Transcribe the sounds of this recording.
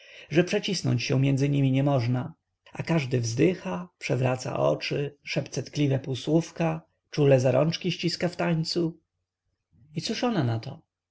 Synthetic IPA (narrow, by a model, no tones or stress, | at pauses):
ʐɛpʂɛt͡ɕisnɔ̰ɲt͡ɕɕɛ̃mʲjɛnd̪zɘɲimʲiɲɛmɔʐna | akaʐd̪ɘvzd̪ɘxapʂɛvɾat̪sa̰ʔɔ̰t͡ʂɘʂɛpt̪sɛt̪klʲivɛpuwswufka | t͡ʂulɛzaɾɔnt͡ʂkʲiɕt͡ɕiskaft̪aɲt̪su | it̪suʂɔnanat̪ɔ̰